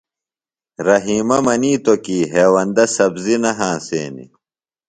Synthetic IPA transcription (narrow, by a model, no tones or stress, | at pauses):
ɾɐɦiːmɐmɐniːt̪okiːɦeːwɐnd̪ɐsɐbzinɐɦãːseːnḭ